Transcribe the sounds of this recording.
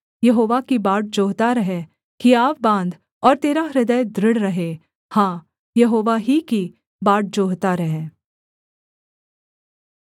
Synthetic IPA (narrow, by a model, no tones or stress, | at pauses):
jɐɦoːʋakibaːʈ̚d͡ʒoːɦt̪aɾɐɦẽ | kiaːpbãːnd̪ | ɔːɾt̪eːɾaɾɪd̪əjd̪ɾɪɽɾɐɦẽ | hãː | jɐɦoːʋaɦiki | baːʈ̚d͡ʒoːɦt̪aɾɐɦẽː